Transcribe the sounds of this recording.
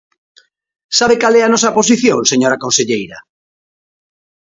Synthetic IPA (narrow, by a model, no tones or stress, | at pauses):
saβekalɛanɔsɐpos̬iθjõŋseɲoɾakonseʎejɾɐ